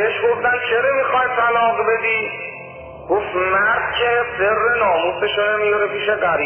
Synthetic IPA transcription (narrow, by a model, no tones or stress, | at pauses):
eʃɡofd̪ænt͡ʃʰeɾemixɒjt̪ʰælɒːɣbed̪i | ɡ̥ofmæɾd̪̚cʰeserːenɒːmuːseʃonemijɒɾepiːʃeɡæɾ